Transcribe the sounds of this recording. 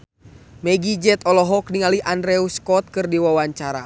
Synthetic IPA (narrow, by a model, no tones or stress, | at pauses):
mɛɡid͡ʒɛt̪ɔlɔɦɔk̚niŋaliʔandɾɛuskɔt̪̚kɨrdiwawaɲt͡ʃaɾa̰